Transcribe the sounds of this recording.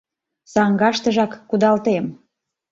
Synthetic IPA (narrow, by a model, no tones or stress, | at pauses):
sɑŋɡɑʃt̪ə̆ʒɑkːud̪ɑlt̪em